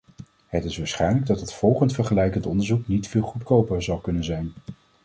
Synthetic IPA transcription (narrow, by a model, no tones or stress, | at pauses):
hətɪsʋaːɹsχɛjnləɡ̚dɑtətfɔlˠχəntfəɹχəlɛjkəntɔndəɹzuknitfɪːlˠχutkowpəɹzɑlˠkɵnənzɛjn